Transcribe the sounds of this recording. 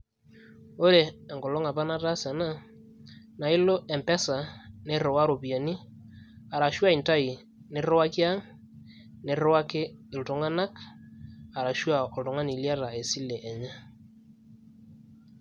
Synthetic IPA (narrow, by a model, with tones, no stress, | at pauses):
o˦ɾeː˨ŋɡɔ˨lɔ˦ŋa˨pa˦na˦ta˦sɛ˨na˦ | na˨ɪ˦lo˦ʔɛ˨mpɛ˦sa˨ne˦ɾɔ˨wa˦ɾo˨pi˨a˨ni˦ | a˨ɾa˨ʃwa˦i˨nta˦i˨ | nɪ˨ɾwa˦ki˦a˦ŋ | nɪ˨ɾa˦kɪ˦ɪ˨ltʊ˨ŋa˦na˦k | a˨ɾa˨ʃwa˦˨ɔ˨ltʊ˨ŋa˦ni˨lja˦ɾa˨e˨si˦lɛ˨ʔɛ˨ɲɛ˦